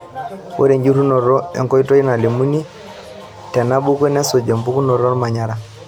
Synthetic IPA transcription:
wo̰˦ɾe˨ɲd͡ʒu˦ɾu˦nɔ˨ɾɔ˦ɛ̰˨ŋkɔ˦i˦to˦i˦na˨li˨mu˦ni˦ | tɛ˨na˦bu˦kwe˦nɛ˦so˨d͡ʒe˨mpu˦ku˦nɔ˨ɾɔ˦lma˨ɲa˦ɾa˨

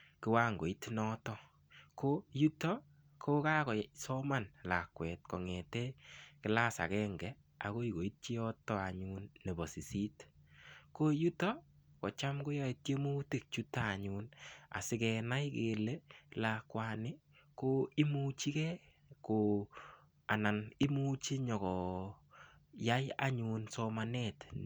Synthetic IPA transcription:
kɪ˦wa˦ŋɡo˨i˦tnɔ˦tɔ˦ | ko˦ju˦tɔ˦ | kʰo˦ka˦kɔ˨sɔ˦ma˦˨nla˨kwɛ˨t̚kɔ˨ŋɛ˨tɛ˦kɪ˦la˦sa̰˨kɛ˦ŋɡɛ˨ | a̰˨ko˦i˨ko˨i˦t̚t͡ʃi˦ɔ˦tɔ˦a˨ɲu˦nːe˨bɔ˨si˨si˦t | ko˦ju˦tɔ˦kɔ˨t͡ʃa˦mko˦jɔ˦e˨t̚t͡ʃe˦mu˦ti˦˨k̚t͡ʃu˦taː˦˨ɲuna̰˨sɪ˦kɛ˨na˦jke˨le˦la˨kwanɪ˦ | ko˦ɪ˦mu˦t͡ʃi˦kɛ˦ | ko˨ | a˨na˨nɪ˦mu˦t͡ʃi˦ɲɔ˨kɔ˨ | ja˦ja̰˦ɲu˧nsɔ˧ma˨nɛt

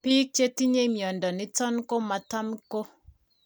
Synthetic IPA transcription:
pi˦k̚t͡ʃe˦ti˦ɲe˦mjɔ˨ndɔ˨nɪ˦tɔ˦nko˦ma˨ta˦mko˦

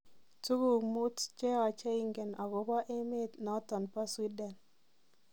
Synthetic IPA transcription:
tu˦ɡu˨mu˦tt͡ʃɛ˦a˨t͡ʃe˦i˨ŋɡɛ˨na˨ɡɔ˨˦ba˦ʔe˦me˦t̪na˦tɔ˨npa˦swi˦dɛ˨n

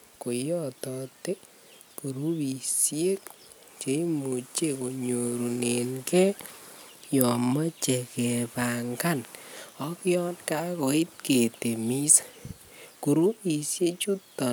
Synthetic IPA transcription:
ko˨jɔ˨tɔ˨te˦ | ku˨ɾu˦pi˨sje˦k | t͡ʃe˨˦i˦mu˨t͡ʃe˦ko˨ɲo˨ɾu˨ne˨nkɛ˦ | jɔ˨ma˦t͡ʃe˨ke˨pa˨ŋka˦nɔ˦kjɔ˦nka˦ko˨i˦t̚ke˨te˨mi˦s | ku˨ɾu˦pi˨sje˦t͡ʃu˦tːɔ˨

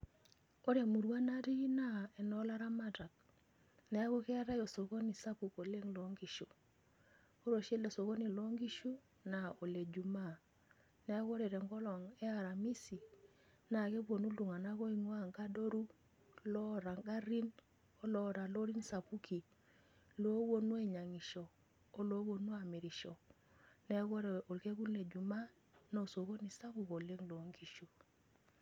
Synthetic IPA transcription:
o˦ɾja˨mu˨ɾwa˦na˦ɾi˦na˦ɛ˨nɔ˦la˦ɾa˦ma˦ta˨k̚ | nɛ˨˦a˦ko˦kɛ˦a˦ɾa˦jo˨so˨ko˦ni˨sa˦pu˨ko˨le˦ŋlo˨˦ŋɡi˨˦ʃu˨ | o˦ɾo˨ʃe˦lo˨so˨ko˦ni˨lo˦ŋɡi˦ʃu˦ | na˨o˨le˨d͡ʒu˨ma˦˨ | nɛ˨˦a˦ko˦ɾe˨ɾɛ˨ŋɡɔ˦lɔ˨ŋɛ˦a˨ɾa˨mi˦si˨ | na˨ke˦bo˨nu˦lu˨ŋa˨na˦ko˦i˦˨ŋu˦a˦˨ŋka˦do˦ɾu˦ | lo˦ɾa˨ŋɡa˦ɾi˦n | o˦lo˦ɾa˨lo˦ɾi˦n˦sa˨pu˦ki˨ | lo˦wo˦nu˦e˦˨ɲa˨ŋi˨ʃoː˨˦ | lo˦wo˦nu˦a˨mi˨ɾi˨ʃo˨ | ne˦ɡo˦ɾe˨o˨lke˦ɡu˦nle˨d͡ʒu˨ma˦ | n˦o˨so˨ko˦ni˨sa˦bu˨ko˨le˦ŋlo˨˦ŋɡi˦˨ʃu˦

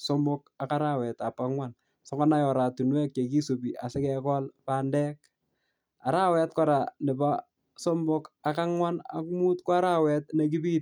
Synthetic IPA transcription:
so˦mo˦ka˨ka˦ɾa˦wɛ˨ta˨pa˦ŋwa˦n | sɔ˨kɔ˦na˦jɔ˨ɾa˨tu˨nwɛ˦k̚t͡ʃe˨ki˦so˨biʔa˨sɛ˦kɛ˨kɔ˦lpaː˨ndɛ˦k̚ | a˨ɾa˦wɛ˨t̚kɔ˦ɾa˨nɪ˨pa | so˦mbo˦ka˨ka˦ŋwa˦na̰˨ku˦mu˦tkɔ˦a˦ɾa˦wɛtnek̬i˦biː˦t̚

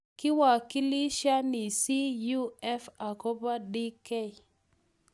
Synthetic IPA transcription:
kɪ˦wa˨ki˦li˦ʃa˦ni˨si˦ju˦ɛ˦fa˨ko˦pa˦di˦ke˦˨i˨

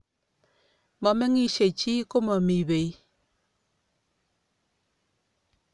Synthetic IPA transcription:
mɔ˨mɛ˦ŋi˦ʃe˨t͡ʃi˦ko˦mɔ˨mi˨be˨i˦

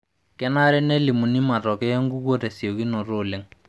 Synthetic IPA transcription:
kɛ˦na˦ɾɛ˦ne˦lɪ˨mu˨ni˦ma˨tɔ˨kɛ˦e˦ŋ˦ɡu˦ko˦tɛ˨si˨o˨ki˦no˨ɾo˦˨lɪ˨˦ŋ

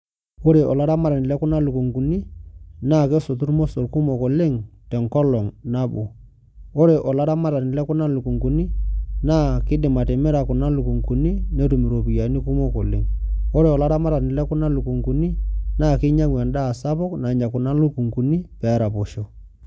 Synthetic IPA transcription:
o˦ɾe˨ʔɔ˨la˦ɾa˦ma˦ɾa˨nɪ˨lɛ˦kʊ˦na˦lu˨ku˨ŋku˨ni˦naː˦˨ke˦sʊ˨tu˦ɾmo˦so˨ɾku˦mo˨ko˨lɪ˦ŋtɛ˨ŋkɔ˦lɔ˨ŋna˦bu˨ | o˦ɾe˨ʔɔ˨la˦ɾa˦ma˦ɾa˨nɪ˨lɛ˦kʊ˦na˦lu˨ku˨ŋku˨ni˦naː˦˨kɪ˦dɪ˨ma˨tɛ˨mɛ˦ɾa˨kʊ˨na˦lu˨ku˨ŋku˨ni˦ne˦tu˨mi˨ɾo˨pi˨ja˨ni˦ku˦mo˦ko˨lɪ̰˨ŋo˦ɾe˨ɔ˨la˦ɾa˦ma˦ɾa˨nɪ˨lɛ˦kʊ˦na˦lu˨ku˨ŋku˨ni˦naː˦˨kɪ˦ɲa˦ŋwɛ˨nda˦˨sa˦pʊ˦kna˨ɲa˨kʊ˨na˦lu˦ku˨ŋku˨ni˦pɛ˨˦ɾa˨po˨ʃo˦˨

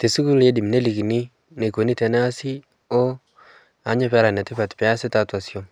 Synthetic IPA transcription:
te˨su˦ku˦le˦di˨mne˦li˨ki˨ni˦ | ne˨ko˨ni˦tɛ˨nɛ˦a˦si˦ | o˦ | a˨˦ɲɪ˦pɛ˦ɾa˨nɛ˨tɪ˦pa˨tpɛ˨a˦sɪ˦ta˦twa˨sjo˦m

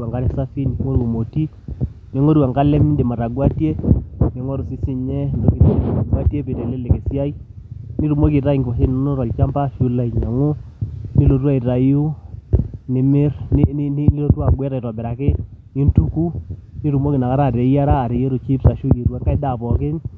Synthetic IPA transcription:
wa˨ŋɡa˦ɾɛ˦sa˦fi˦n˨˦ŋo˦ɾwo˨mo˨ti˦ | nɪ˨˦ŋo˦ɾwa˨ŋka˦lɛ˦mɪ˦nde˨ma˨ɾa˨ɡwa˦tje˦nɪ˨ŋwɔ˦ɾu˨sɪ˦sɪ˨ɲɛ˦ndo˦ki˦n˦de˨ma˨ɾa˨ɡwa˦tje˦pɪ˨tɛ˨lɛ˦lɛ˨ke˨sja˦i˦ | ni˦ɾu˨mo˦ki˨ɾa˦i˨ŋɡɪ˨wa˨se˦n˦no˦ɾɔ˨lt͡ʃa˦mba˦ʃu˦la˦i˨ɲa˨ŋʊ˦ | ni˦lo˨twa˦i˨ɾa˨ju˦ | nɪ˨mɪ˦rnɪ˦n˦n˦ni˦lo˦ta˨ŋɡwɛ˦ɾa˨i˨ɾɔ˨bɛ˨ɾa˨kɪ˦ni˦ntu˦ku˦ni˦ɾu˨mo˦kɪ˨na˨ka˦ɾa˦˨ɾe˨ja˦ɾaː˦˨ɾi˨˦je˦ɾo˨t͡ʃi˦psa˨ʃu˦e˨ɾwa˦ŋka˦ɪ˦da˨pɔ˨kɪ˦n

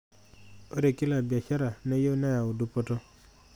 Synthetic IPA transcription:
o˦ɾe˨ki˦la˨bja˨ʃa˦ɾa˨ne˦jo˦na˦ja˨u˨du˦pɔ˦tɔ˦

